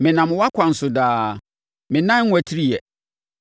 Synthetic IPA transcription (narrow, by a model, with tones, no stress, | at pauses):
mɪ̃˨nã˨m˨wa˦kʷʰã˨n̩˨sʊ˨daː˦ | mɪ̃˨nã˦ŋ̩ːʷ˦æ˨tʰi˦ɾi˦jɛ˨